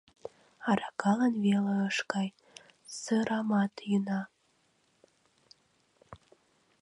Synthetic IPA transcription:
ɑɾɑkɑlənveləəʃkɑj | səɾɑmɑt̪jənɑ

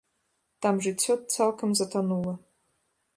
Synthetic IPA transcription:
d̥amʒit͡sʰot̚t͡sʰalkʰɨmzatʰanulɐ

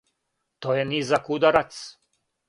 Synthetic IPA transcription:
t̪oːjenizakud̪aɾat̪s

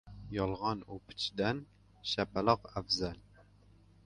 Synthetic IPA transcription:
jɑlˠʁɑnupʰɪ̥t͡ʃʰid̪ɛn | ʃɛpæləqæfzɛl

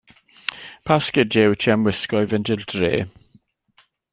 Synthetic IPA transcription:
pʰaskɪdɛwtʰiamwɪskɔjvɛndɪldrḛː

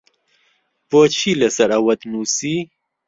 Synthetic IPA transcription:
poːt͡ʃʰilɐsɐɾɐwɐd̪nusi

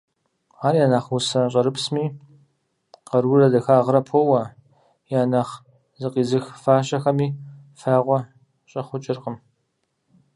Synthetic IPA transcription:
aːrjaːnaːχwusɐɕʼɐɾɨpsmiː | qɐrwʊrɐdɐxaːʁɾɐpʰowɐ | jaːnaːχ | zɨqiːzɨxfaːɕɐxɐmiːfaːʁʷɔ | ɕʼɐχʷʊt͡ʃʼɪrqəm

